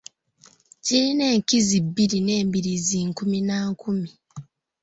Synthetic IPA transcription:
ciɾine̞ːŋkizibːiɾine̞ːmbiɾiziːŋkuminaŋkumi

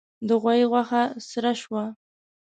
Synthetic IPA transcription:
d̪əɣwajiɣwaxasɾaʃwa

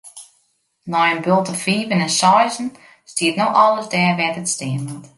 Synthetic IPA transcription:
nɔjənbølˠtəfiːvənɛnsɔjzn̩ | stiətnoxɔlˠəzdɛːrʋɛtətstɪəənt

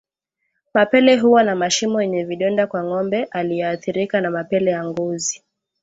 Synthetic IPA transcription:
mapɛlɛɦuwanamaʃimɔjɛɲɛviɗɔndakwaŋɔmbɛʔaliɛaθiɾikanamapɛlɛjaŋɡɔzi

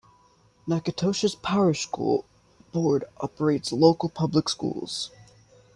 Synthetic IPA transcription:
nækɨtʰoʊʃɨspʰæʊɹɨʃskṵlˠ | b̥ɔɹɾʔɑp̚ə˞eɪtsloʊkl̩ˠpʰʌbləkskṵlˠz̥

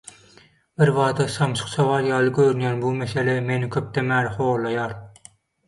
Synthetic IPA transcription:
bɪɾvɑːd̪ɑsɑmʃʰʊ̥qsɑwɑɾjɑːlˠɯɡʲøɾynjæːnbumeselemenɪkʲʰøp̚t̪ʰɛmæːɾχoːɾlːˠɑjɑːɾ

